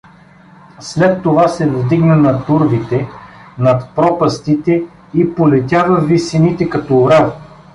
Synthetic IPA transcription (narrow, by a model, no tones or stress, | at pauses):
slɛt̪ːovasɛvd̪iɡnənɐt̪uɾvit̪ɛnɐt̪pɾɔpɐst̪it̪ɛ | ipolɛt̪ʲjavɐvisinit̪ɛkɐt̪ɔːɾav